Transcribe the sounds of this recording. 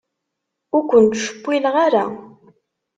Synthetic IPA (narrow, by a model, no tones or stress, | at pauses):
ʊɾkʷːənt̪ʃə̥pːilʁaɾa